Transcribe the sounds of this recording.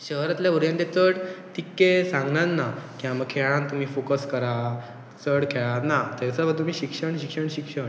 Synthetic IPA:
ɕəɦɾat̪ljaʋuɾjãnt̪et͡səɽt̪ikːesãŋɡnãnːakĩʋaməɡ̚kʰeɭãnt̪um̤iːfokəskəɾa | t͡səɽkʰeɭãt̪nat̪at͡səbət̪ːum̤iːɕikʂəɳɕikʂəɳɕikʂəɳ

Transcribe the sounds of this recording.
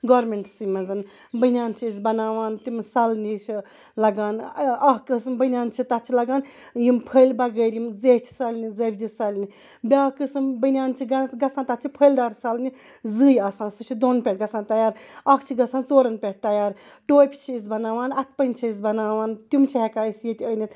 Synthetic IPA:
ɡɔːɾmeɳʈsɨmɐzɐn | bɐnʲaːnt͡ʃʰiis̬bɐnaːʋaːnt̪imsɐlnit͡ʃʰi | lɐɡaːnɐɦkɨsɨmbənʲaːnt͡ʃʰit̪ɐt̪̚t͡ʃʰilɐɡaːn | jimpʰəjlbɐɡəɾjimzeːht͡ʃʰi̥sɐlʲnizebʲd͡ʒisɐlʲni | bʲakɨsɨmbənʲaːnt͡ʃʰiɡɐɡɐsãnt̪ɐt̚t͡ʃʰipʰəjld̪aːɾsɐlni | zɨːjɐsaːnsɨt͡ʃʰid̪onpʲeʈɡɐsaːnt̪ɐjaːɾɐkʰt͡ʃʰiɡɐsaːnt͡soːɾɐnpʲeʈ̚t̪ɐjaːɾʈoːjpʰʲi̥t͡ʃʰiis̬ʲbɐnaːʋaːnɐt̪̚ʰpɐnʲt͡ʃʰiis̬bɐnaːʋaːnt̪umt͡ʃʰiɦekaːisjit̪ʲəjnit̪

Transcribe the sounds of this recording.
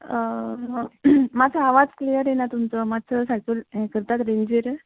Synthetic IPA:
ə | mat͡sʰaaʋad͡zklijəɾjenat̪umt͡sɔmat̪ːt͡səsatulkəɾt̪at̪ɾeɲd͡ʑʋeɾ

